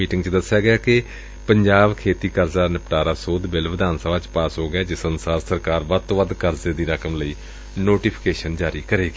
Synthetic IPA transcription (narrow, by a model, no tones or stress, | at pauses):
iːʈɪ̃ŋɡt͡ʃd̪əsːjaːɡɪaːkɪ | pəɲd͡ʒaːbkʰeːt̪iːkəɾzaːnɪpʈaːɾaːsoːd̪bɪlʋɪd̪aːnsəbaːt͡ʃpaːsɦoːɡɪjaːd͡ʒɪsənsaːɾsəɾkaːɾʋət̪oːʋəd̪kəɾzeːd̪iːɾəkəmləiː | noːʈiːpʰɪ̥keːʃənd͡ʒaːɾiːkəɾeːɡeː